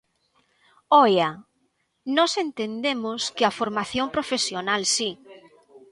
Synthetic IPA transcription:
ɔjɐ | nɔsent̪end̪emoskɪɐfoɾmaθjõmpɾofesjonalsi

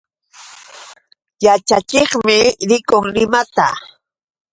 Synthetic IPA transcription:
jat͡ʃat͡ʃeχmɪɾɪkʊŋlɪmat̪a

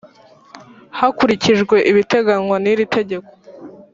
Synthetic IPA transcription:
hakuɾiciʒɡwe̞ʔiβite̞ɡanwaniɾitʰe̞ɟe̞ko̞̥

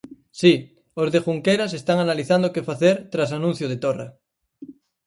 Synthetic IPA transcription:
si | ozðexuŋkeɾase̞st̪aŋanaliθand̪okefaθeɾt̪ɾas̬anũn̟θjoð̞et̪ora̰

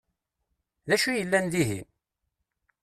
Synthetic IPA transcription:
ðæʃujəlːænd̪iɦḭm

